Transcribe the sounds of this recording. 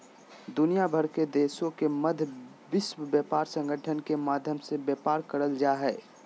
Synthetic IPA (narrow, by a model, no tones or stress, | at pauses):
d̪ʊnijabʱəɾked̪eːsõkemɐd̪ʱ | bɪswəbjɛːpaːɾsə̃ŋɡʱəʈʰənkemaːd̪ʱjəmsebjɛːpaːɾkəɾəld͡ʒaːɦɛː